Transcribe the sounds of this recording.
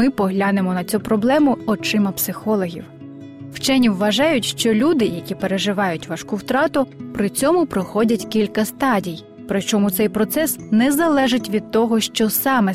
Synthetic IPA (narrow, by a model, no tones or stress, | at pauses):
ɪpɔɦlʲɑnemɔnɐt͡sʲupɾɔblˠɛmʊɔt͡ʃɪmɐpsɪxɔlˠɔɦʲḭw | wt͡ʃɛnʲiwːɐʒɑjʊtʲʃt͡ʃɔlʲud̪ɪjɐkʲipe̞ɾe̞ʒɪʋɑjʊtʲʋɐʃkuwt̪ɾɑt̪ʊpɾɪt͡sʲɔmʊpɾɔxɔdʲɐtʲkʲilʲkɐst̪ɑdʲij | pɾɪt͡ʃɔmʊt̪sɛjpɾɔt̪sɛsnɛzɐlˠɛʒɪtʲʋʲid̪̚t̪ɔɦɔʃt͡ʃɔsɑmɛ